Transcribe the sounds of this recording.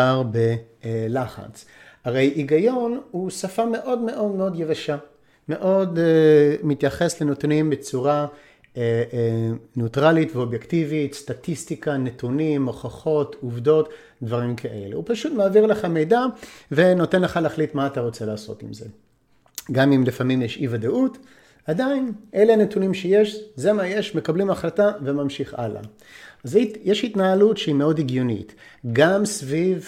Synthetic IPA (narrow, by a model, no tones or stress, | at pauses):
aʁbelaχa̰t͡s | haʁe̞jʔiɡajo̞nusafame̞ʔo̞dmeʔo̞dmeo̞d̪jevaʃa | me̞ʔo̞d | mit̪jaχe̞slenotnimbet͡suʁa | e | neutʁalitveo̞bjektivitst̪atistikanet̪unimːoχaχo̞tuvdo̞t | dvaʁimkʰaʔe̞lḛupaʃutmaːviʁleχame̞jdave̞no̞te̞nleχaleaχlitmaːtaʁo̞t͡selaːsotḭmze̞̰ | ɡamimlifamimjeʃivadaʔut | adainʔe̞leane̞tunimʃeje̞ʃzemaje̞ʃme̞kablimaχlatavemamʃiχa̰la̰ | azijeʃhitnaalutʃeime̞o̞diɡjunḭtɡamsviv